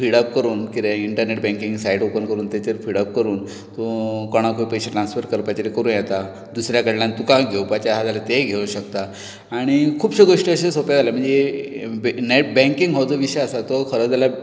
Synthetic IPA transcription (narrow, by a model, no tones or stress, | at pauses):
fiɽəp̚kəɾuːnkid̪eiɳʈəɾneʈbɛ̃ŋkiŋɡsaiʈopənkəɾuːnt̪jat͡ɕeɾfiɽəp̚kəɾuːn | t̪okoɽ̃akʰoipəjɕeʈɾansfəɾkəɾpat͡ɕeɾekəɾuːnjɛt̪a | d̪usɾjakəɽlãnt̪ukãɡʱewpat͡ɕaɦad͡zalat̪eɡʱeũɕəkt̪a | aɽ̃ikʰuːpɕəɡoʂʈəəɕesopjad͡zʱalam̤əɳd͡zebneʈ̚bɛ̃ŋkiŋɡɦod͡z̪əʋiɕəjəsat̪ɔkʰəɾəd͡zala